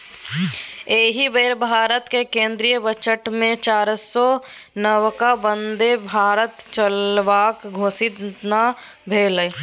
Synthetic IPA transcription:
eːɦibeːɾbʱaːɾət̪kekẽːnd̪ɾijəbət͡ʃəʈmẽt͡ʃaːɾsɔnəwkabə̃nd̪ebʱaːɾət̪t͡ʃəlʋaːkɡʱoːsɪt̪na | bʱeːlə

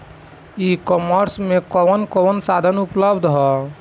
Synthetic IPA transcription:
ikɔməɾsmẽkɔnkɔnsad̪ʱənupləbd̪ʱɦɔ

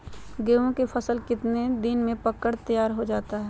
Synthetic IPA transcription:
ɡeːʋõkefʰɐsəlkɪt̪ned̪ɪnmẽpɐkːəɽt̪əjaːɾɦod͡ʒaːt̪aɦɛː

